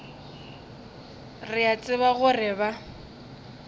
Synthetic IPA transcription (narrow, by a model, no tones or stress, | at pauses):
rɪat͡sʼɪβaɣʊrɪba